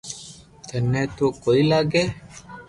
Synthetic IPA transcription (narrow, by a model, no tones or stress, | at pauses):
t̪ənːẽːt̪oːkoːiːlaːɡeː